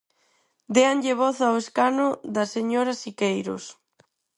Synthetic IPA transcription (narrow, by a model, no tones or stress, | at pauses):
d̪eaŋʎeβ̞ɔθaweskanʊðɐseɲoɾasikejɾo̰s